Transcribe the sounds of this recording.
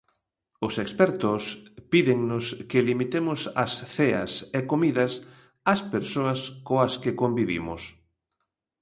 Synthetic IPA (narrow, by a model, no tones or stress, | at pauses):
ʊsekspɛɾt̪ʊspiðeŋnʊskelimit̪emʊsɐ̰sθeɐ̰sekomiðɐs | ɐspeɾsoɐskoɐskekombiβḭmʊ̰s